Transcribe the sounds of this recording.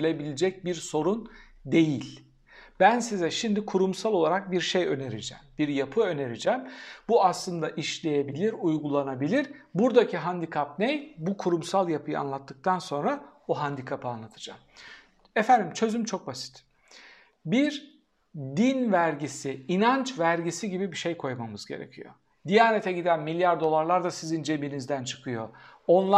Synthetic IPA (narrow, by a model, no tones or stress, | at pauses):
lʲebilʲed͡ʒɛc̚biɾso̞ɾun | d̪e̞jilʲ | b̥ænsizɛʃimd̪ikʰuɾumsalˠo̞lˠaɾak̚biɾʃejø̞neɾid͡ʒɛ̰ːmbiɾjapʰɯø̞ne̞ɾid͡ʒɛmbuaslˠɯnd̪aʔiʃlʲe̞je̞bilʲiɾujɡulˠanabilʲiɾbuɾd̪acʰiɦand̪ikʰap̚nejbukʰuɾumsalˠjapʰɯjɯa̰nlˠat̪ʰːɯk̚t̪ʰanso̞nɾaoɦand̪ikʰapɯanlˠat̪ʰɯ̥d͡ʒa̰m | ɛfænd̪imt͡ʃʰø̞zymt͡ʃʰo̞k̚basi̥t̪ | biɾ | d̪invæɾɟisiinant͡ʃvæɾɟisiɟibibiʃe̞jkʰo̞jmamɯzɟe̞̰ɾe̞̰cʰijo̰ | d̪ijaːne̞t̪ʰɛɟid̪ænmilʲjaɾd̪o̞lˠaɾlˠaɾd̪asizind͡ʒe̞binizd̪ænt͡ʃʰɯ̥kʰɯjo̞̰o̞nlˠa